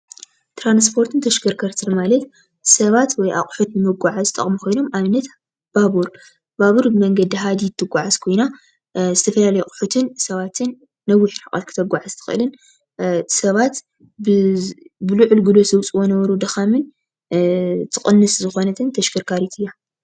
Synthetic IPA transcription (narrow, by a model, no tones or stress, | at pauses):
t̪ʰɾanspʰo̞ɾt̪ʰɨnt̪ʰɐʃkɨɾkʰɐɾt̪ʰɨnmalɐt̪ | sɐβat̪wɔjʔa̰χʼħut̪nɨmɨɡʷaʕazɨt̪ʼɐ̰χʼmuxʰojno̞mʔamɨnːɐt̪ | b̥aβuɾ | baβuɾbɨmɐŋɡɐd̪iɦad̪it̪ʰːɨɡʷːaʕazkʰo̞jna | zɨt̪ʰɐfɐlalɐjukʼħut̪ʰɨnsɐβat̪ʰɨnː | ɐwːʊħħakʼa̰t̪kʰɨ̥t̪ʰɐɡʷaʕazt̪ʰɨ̥xɨ̰lɨn | sɐβat̪ | bɨbɨluʕʊlɡɨlosɐwt͡sʼɨwonɐβɐɾud̪ɐxamɨn | t̪ʰɨχʼɨnːɨszɨxo̞nɐt̪ʰɨnt̪ʰɐʃkɨɾkʰaɾit̪ʰɨjːa